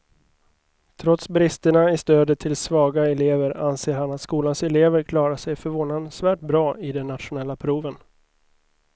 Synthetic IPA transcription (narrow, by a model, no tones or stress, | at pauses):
t̪ʰɾɔt̪sbɾɪst̪əɳaɪst̪øːd̪ət̪ʰɪlsvɑːɡaɛleːvəɾa̰nseːɾhanat̪skuːlansɛleːvəɾkʰlɑːɾaʂɛjfœɾvoːnansvæːʈ̚bɾɑːɪd̪ɛnːat̪ɧʊnɛlːapʰɾuːvən